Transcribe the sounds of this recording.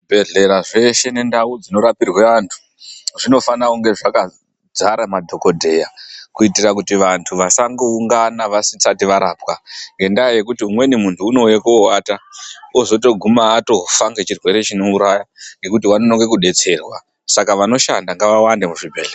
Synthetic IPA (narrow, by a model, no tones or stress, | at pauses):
bʱe̞ɮe̞ɾaʐe̞ʃe̞ne̞ndaud͡zino̞ɾapirweʋantʰu̥ | ʐino̞fanauŋɡe̞ʐaka | d͡zaɾamadʱo̞ko̞dʱe̞jakuitirakutiʋantʰuʋasaŋɡouŋɡanaʋasit͡satiʋaɾaːpkaŋɡe̞ndaaje̞kutiumwe̞nimuntʰuːno̞jekowaːtaozo̞to̞ɡʱumaːto̞ɦufaŋɡet͡ʃirwe̞ɾe̞t͡ʃino̞uɾajaŋɡe̞kutiwanonoŋɡe̞kuɗe̞t͡se̞ːrwa̰ | sakaʋano̞ʃa̰ndaŋɡaʋawandemuʐibʱeɮ